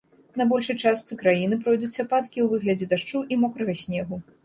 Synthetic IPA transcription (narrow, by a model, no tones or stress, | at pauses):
nɐbɔlʲʂɐjt͡ʂast̪sɨkɾajinɨp̬ɾɔjd̪ut͡sʲɐpat̪kʲiwvɨɣlʲɐd͡zʲɛd̪aʂt͡ʂuʔimɔkɾɐɣɐsʲnʲɛɣu